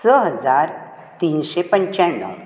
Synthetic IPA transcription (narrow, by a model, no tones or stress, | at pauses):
səɦəd͡zaɾ | t̪iːnɕepəɲt͡ɕãnːə̰w